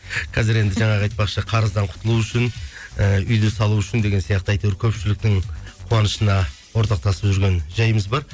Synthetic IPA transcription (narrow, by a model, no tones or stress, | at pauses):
qʰɑzɪɾe̞nd̪ɪʒɑɴɑʁɑjt̪̚pɑqʃəqʰɑɾəzd̪ɑɴqʰʊ̥t̪əlˠuʏʃɪnəʏjd̪ɪsɑlˠuʏʃɪnd̪eɡʲe̞nsijɑq̚t̪əɑjt̪ewɾkʲʰɵpʃɪlɪk̚t̪ɪŋqʰuɑnəʃənɑ | wo̞ɾt̪ɑq̚t̪ɑsəpʒʏɾɡʲe̞nʒɑjəməzbɑɾ